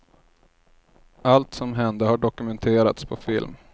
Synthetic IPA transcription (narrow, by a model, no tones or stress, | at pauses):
ʔalt̪sɔmɦɛnd̪əhaɖɔkɵmɛnt̪ʰeːɾa̰t̪spʰɔfɪ̰lm